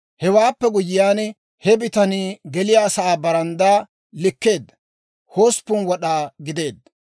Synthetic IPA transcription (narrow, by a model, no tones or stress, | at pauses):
hɛwaːpːɛɡʊjɪjaːn | hɛbɪt̪ɐniːɡɛlɪjaːsɐaːbɐɾɐnd̪aː | lɪkːe̞ːd̪ːɐ | hoːspːʊnwɔɗaːɡɪd̪e̞ːd̪ːɐ